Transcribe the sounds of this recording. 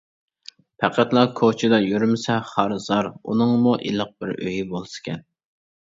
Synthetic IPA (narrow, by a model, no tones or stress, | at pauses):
pʰæqʰæt̪lˠɑkʰot͡ʃʰɪd̪ɑjyɾmɪsɛχɑɾzɑɾṵnɨŋmuʔḭlˠəq̚bɪɾø̰jibolˠɨsɨ̥kʲɛn